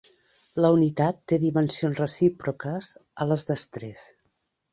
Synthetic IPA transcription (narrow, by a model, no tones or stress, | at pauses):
ləunit̪at̪ːeðimənsionzrəsipɾukəzələzðəst̪ɾɛs